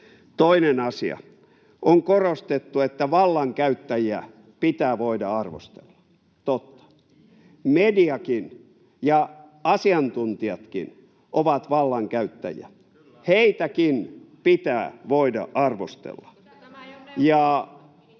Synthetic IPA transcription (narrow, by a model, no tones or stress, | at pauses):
t̪oinenɑsḭɑ̰ | ʔoŋkorost̪et̪ːuet̪ːæʋɑlːɑŋkæyt̪ːæjiæ | pit̪æːʋoidɑɑrʋo̰st̪ḛlːɑ̥ | t̪ot̪ːɑ̥ | mediɑkin | jɑ | ɑsiɑnt̪unt̪iɑt̪kḭn | ʔoʋɑt̪ʋɑlːɑŋkæyt̪ːæ̰jḭæ̰t̪ | heit̪ækinpit̪æːʋoidɑ̰ʔɑrʋo̰st̪ḛlːɑ̥ | jɑˑ